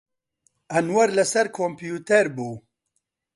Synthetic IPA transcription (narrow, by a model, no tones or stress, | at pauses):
ɐnwɐɾlɐsɐɾkʰoːmpjuːt̪ʰɛɾbuː